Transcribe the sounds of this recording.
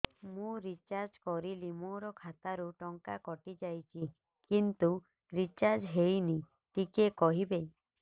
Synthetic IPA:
mũɾit͡ʃaɾd͡ʒkɔɾilimoɾɔkʰat̪aɾuʈɔŋkakɔʈid͡ʒajt͡ʃʰi | kint̪u | ɾit͡ʃaɾd͡ʒɦejni | ʈikekɔɦibe

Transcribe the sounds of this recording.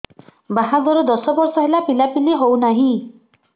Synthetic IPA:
baɦaɡɔɾɔd̪ɔsɔbɔɾsɔɦelapilapiliɦownaɦĩ

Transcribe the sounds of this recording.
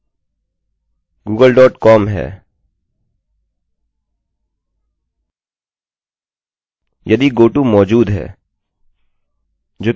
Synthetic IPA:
ɡuːɡəlɖɔːʈkɔːmɦɛ̰ː | jɐd̪iɡoːʈumɔːd͡ʒuːd̪ɦɛ̰ː | d͡ʒoː

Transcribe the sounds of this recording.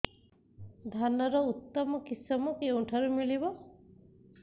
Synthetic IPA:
d̪ʱanɔɾɔut̪ːɔmɔkisɔmɔkeũʈʰaɾumilibɔ

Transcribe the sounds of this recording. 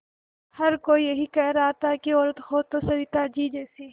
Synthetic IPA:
hɐɾkoːijɐɦikɛɦɾaat̪akiɔːɾət̪xoːd̪̚t̪osɐɪt̪ad͡ʒiːd͡ʒɛːsiː

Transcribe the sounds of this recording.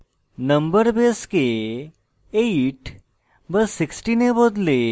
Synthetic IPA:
nə̃mbəɾbeske | eʈ | bəsːɪksʈinebod̪le

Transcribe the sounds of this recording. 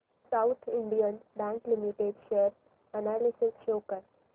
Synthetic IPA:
sawt̪ʰiɳɖijənɖãnʈlimiʈeɖʃeɾ | ənalisɪsʃokəɾ

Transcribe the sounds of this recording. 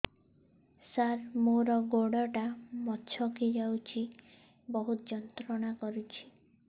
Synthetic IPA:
saɾmoɾɔɡoɽɔʈamɔt͡ʃʰɔkid͡ʒawt͡ʃʰi | bɔɦut̪ɔd͡ʒɔnt̪ɾɔɽ̃akɔɾut͡ʃʰi̥

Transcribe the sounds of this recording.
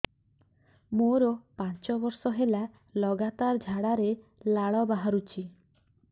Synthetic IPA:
moɾɔpãnt͡ʃɔbɔɾsɔɦela | lɔɡat̪aɾd͡ʒʱaɽaɾe | laɭɔbaɦaɾut͡ʃʰi

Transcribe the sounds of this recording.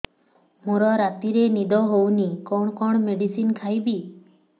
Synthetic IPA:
muɾɔɾat̪iɾenid̪ɔɦownikɔɳɔkɔɳɔmeɖisinkʰajbi

